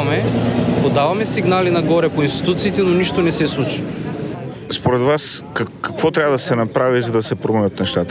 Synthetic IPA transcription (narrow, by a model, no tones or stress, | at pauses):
mɛpod̪avɐmɛsiɡnalinɐɡɔɾɛpoinst̪i̥t̪ut̪siːt̪ɛnoniʃt̪onɛsɛslˠut͡ʃi̥ | spoɾɛd̪vaskkɐkvɔt̪ɾʲjavəd̪ɐsɛnɐpɾavizɐd̪ɐsɛpɾomɛvʲət̪nɛʃt̪at̪ə